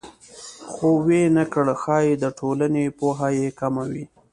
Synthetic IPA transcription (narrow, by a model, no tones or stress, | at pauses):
xowenakəɽxɑjed̪əʈʰolanepoɦajekamawi